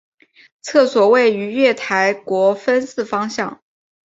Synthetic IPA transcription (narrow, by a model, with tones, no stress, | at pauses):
t͡sʰɤ˥˩swɔ˨˩we˥˩ɪy˧˥ɥɛ˥˩t̪ʰa˧˥ɪkwɔ˧˥fə˥nsɹ̩˥˩fɑ˥ŋɕjɑ˥˩ŋ